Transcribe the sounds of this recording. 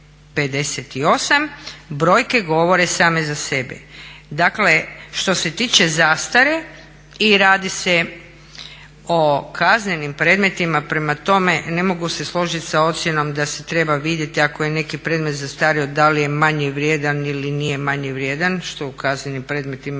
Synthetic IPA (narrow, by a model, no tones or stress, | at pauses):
pe̞d̪e̞set̪io̞sambɾo̞ːjke̞ɡo̞ʋo̞ɾe̞saːme̞zase̞bḛd̪akle̞ʃt̪o̞se̞t̪iːt͡ʃe̞zaːst̪aɾe | iɾaːd̪ise | okʰazɲenimpɾeːd̪me̞t̪imapɾe̞mat̪o̞me̞ne̞mo̞ɡuse̞slˠo̞ʒit̪sao̞t̪sjeno̞md̪ase̞t̪ɾe̞baʋid̪je̞t̪iakoje̞ne̞kipɾe̞ːd̪met̪zast̪aɾiod̪alije̞maɲɛʋɾjed̪anilinijemaɲeʋɾjed̪anʃt̪oukazɲenimpɾeːd̪me̞t̪im